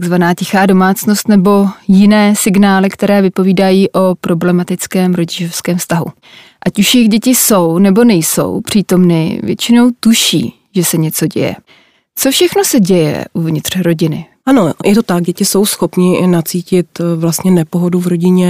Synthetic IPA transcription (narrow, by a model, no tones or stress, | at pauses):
t̪aɡzvanaːcɪxaːdo̞maːt͡sno̞st̪nɛbo̞jɪnɛːsɪɡnaːlɪkt̪ɛɾɛːvɪpo̞viːdajiːʔo̞pɾo̞blɛmat̪ɪt͡skɛːmɾoɟɪʒo̞fskɛːmfst̪aɦṵ | ʔacuʃjɪɣɟɛcɪso̞wnɛbo̞nɛjso̞̰wpr̝̥iːt̪o̞mnɪ̰vjɛ̰t͡ʃɪno̞wt̪uʃḭː | ʒɛsɛɲɛt͡so̞ɟɛ̰jɛ̰ | t͡so̞fʃɛxno̞sɛɟɛjɛ̰ʔuvɲɪt̪r̥ɾo̞ɟɪnɪ̰ | ʔanojʔɛt̪o̞t̪ak̚ɟɛcɪso̞wsxo̞pɲɪnat͡siːcɪt̪vlast̪ɲɛnɛpoɦoduvɾo̞ɟɪɲɛ